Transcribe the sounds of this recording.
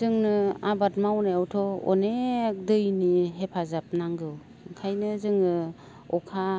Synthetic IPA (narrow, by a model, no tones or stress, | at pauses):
zɯŋnɯabat̚mawnaawtʰɔɔ̰nek̚dɯjniɦepʰazap̚naŋɡɯw | kʰajnɯzɯŋnɯ | ɔkʰa